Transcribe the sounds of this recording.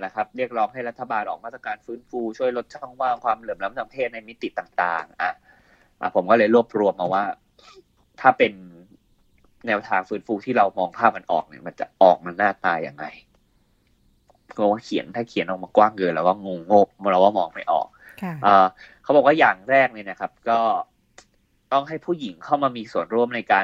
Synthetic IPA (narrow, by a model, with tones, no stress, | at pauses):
la˨˩kʰa˦˥p̚ɾi˥˩ək̚ɾɔː˦˥ŋɦa˥˩jɾa˦˥t̪ʰːa˧baː˧nʔɔ̰ː˨˩maː˥˩t̪ʰːa˧kaː˧nfɯː˦˥nfuː˧t͡ɕʰu˥˩əjlo˦t̪̚t͡ɕʰɔ˥˩ŋwaː˥˩ŋkʰwaː˧mlɤː˨˩mla˦˥msʰa˨˩˦mpʰeː˥˩t̪̚na˧jmi˦˥t̪ːi˨˩t̪aː˨˩ŋt̪aː˨˩ŋʔa˨˩ | ʔa̰˨˩pʰo˩˦mkɔː˥˩lɤː˧jɾu˥˩əp̚ɾu˧əmʔa˧waː˥˩ | t̪ʰaː˥˩pe˧n | ɛː˧˥wt̪ʰaː˧ŋfɯː˦˥nfuː˧t̪ʰiː˥˩ɾa˧wmɔː˧ŋpʰaː˥˩p̚ma˧nʔɔ̰ː˨˩k̚nḭ˧˩ma˧nt͡ɕa̰˨˩ʔɔː˨˩k̚ma˧nːaː˥˩t̪aː˧ja̰ː˨˩ŋːa̰˧j | waː˥˩kʰi˩˦ənt̪ʰaː˥˩kʰi˨˩˦nʔɔː˨˩kmaː˧kwaː˥˩ŋkɤː˧lɛː˦wkɔː˥˩ŋo˧ŋːo˥˩p̚lːɛ˧˦waː˥˩mɔː˧ŋma˥˩jʔɔ̰ː˨˩k̚ʔəː˨˧˩kʰa˦˥bɔː˨˩kwaː˥˩jaː˨˩ŋɾɛː˥˩k̚nɤː˧na˦˥˩kʰa˦˥p̚kɔː˥˩ | t̪ɔ˥˩ŋɦa˥˩jpʰuː˥˩ji˩˦ŋkʰa˥˩wmaː˧miː˧su˨˩ənɾu˥˩əmna˧jkaː˧